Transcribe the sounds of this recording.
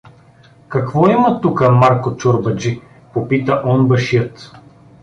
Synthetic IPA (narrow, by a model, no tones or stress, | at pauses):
kɐkvɔimɐt̪ukəmaɾkot͡ʃʊɾbɐd͡ʒi | popit̪əʔɔnbɐʃiət̪